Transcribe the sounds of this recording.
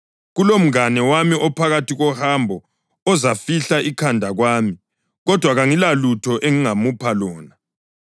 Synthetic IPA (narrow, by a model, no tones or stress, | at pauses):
ɣulom̩ɣanɛwamiɔpʰaɣatʰiɣɔhambʱɔ | ɔzafiɬaʔikʰandʱaɣwaːmi | ɣɔd̥ʱwaɣaŋilalutʰɔʔeŋiŋamupʰalɔːna